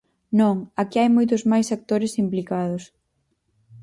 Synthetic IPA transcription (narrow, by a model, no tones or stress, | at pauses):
nõŋakiajmojt̪ʊzmajsak̚t̪oɾɪsimplikað̞ʊs